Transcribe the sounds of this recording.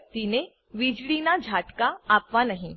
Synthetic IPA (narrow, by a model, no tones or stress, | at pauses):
t̪ine | ʋid͡ʑɭinad͡ʑʱaʈkaːpʋanaɦi